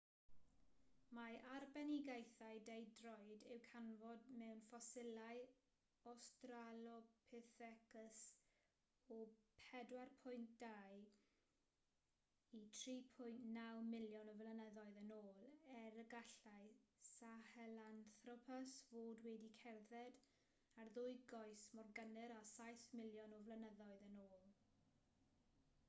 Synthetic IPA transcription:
maarbɛniɡejθaɨdejdrɔjdɪwkʰanvɔdmɛwnfɔsɪlˠaj | ɔstralɔpʰɛθɛkəs | ɔpʰɛdwarpʰʊjntd̥aj | itʰriːpʰʊjntnawmɪljɔnɔvlənəðɔɨðənoːlˠɛɾəɡaɬaɨsahɛlanθrɔpʰasvoːdwɛdikʰɛrðɛd | arðʊɨɡɔɨsmɔrɡənɨɾasajθmɪljɔnɔvlˠənəðɔɨðənoːlˠ

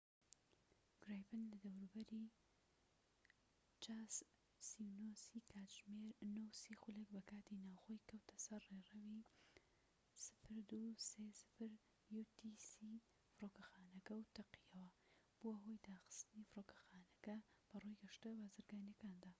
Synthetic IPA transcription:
ɡ̥ɾajpɨnlɐd̪ɐwɾubɐɾi | t͡ʃaːs | siwnosikʰaːd͡ʒmeɾnowsiːxulekbɐkaːt̪inaːwxo̞jkʰɐwt̪ʰɐsɐrːerɐwi | sɨ̥fɨɾd̪usesɨ̥fɨɾ | jut̪isi | fɨɾoːkɐxaːnɐkɐwt̪ʰɐqijɐwɐb̥uʔɐɦo̞jd̪aːxɨ̥st̪ɨnifɨɾoːkɐ̥xaːnɐkɐb̥ɐrujɡɐʃt̪ɐbaːzɨɾɡaːnjɐkaːnd̪aː

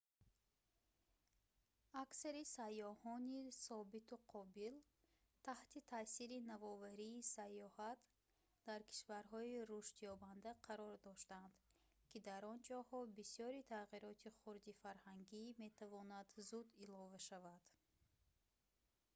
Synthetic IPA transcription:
aksaɾisajːɔhɔnisɔbit̪uqʰɔbil | t̪ʰaht̪it̪ʰaːsiɾinavɔvaɾiːsajɔhat̪ | d̪̥aɾkʰi̥ʃvaɾɦɔiɾuʃt̪jɔband̪aqʰaɾɔɾd̪ɔʃt̪and̪ | kʰid̪aɾɔnd͡ʒɔhɔbisjɔɾit̪ʰaʁiɾɔt̪ʰiχuɾd̪ifaɾhaŋɡime̞t̪ʰavɔnad̪zud̪ilɔvaʃavad̪̥

